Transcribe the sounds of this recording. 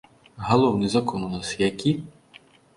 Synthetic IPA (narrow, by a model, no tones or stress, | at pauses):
ɦɐlˠɔwnɨzɐkɔnunasjakʲi